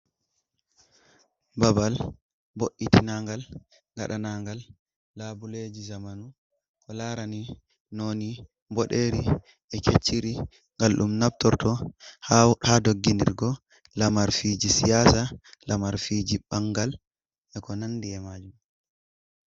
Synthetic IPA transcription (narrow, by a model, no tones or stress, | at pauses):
babal | boʔːitinaŋɡal | ŋɡa̰ɗanaːŋɡalː | abuled͡ʒizamanu | kɔlaɾani | noni | bɔɗeɾi | ʔɛkʰet͡ʃːiɾi | ŋɡalɗumnabtɔɾtɔhahadoɡːindḭɾɡɔ | lamaɾfid͡ʒisijasalamaɾfid͡ʒibaŋɡal | ʔɛkɔnandiɛmad͡ʒum